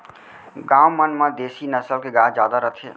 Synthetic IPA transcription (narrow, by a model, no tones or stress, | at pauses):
ɡaːwmənmãd̪eːsinəsəlkeɡaːd͡ʒjaːd̪aɾət̪ʰḛː